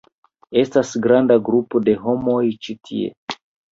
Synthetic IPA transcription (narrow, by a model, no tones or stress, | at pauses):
e̞stasɡɾandaɡɾupo̞de̞ɦo̞mo̞jt͡ʃitʰḭḛ